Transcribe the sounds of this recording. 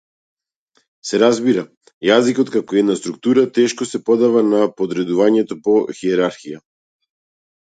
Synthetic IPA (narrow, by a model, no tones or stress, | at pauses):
sɛɾazbiɾa | jazikɔt̪kakɔiɛd̪nast̪ɾuk̚t̪uɾat̪ɛʃkɔsɛpɔd̪avanapɔd̪ɾɛd̪uvaɲɛt̪ɔpɔxiɛɾaɾxija